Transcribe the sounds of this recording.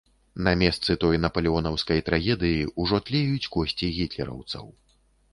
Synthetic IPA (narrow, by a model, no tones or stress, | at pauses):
nɐmʲɛst̪sɨt̪ɔjnɐpɐlʲɛɔnɐwskɐjt̪ɾaɣʲɛd̪ɨjiuʐɔt̪lʲɛjut͡sʲkɔsʲt͡sʲiɣʲit̪lʲɛ̰ɾɐ̰wt̪sɐ̰w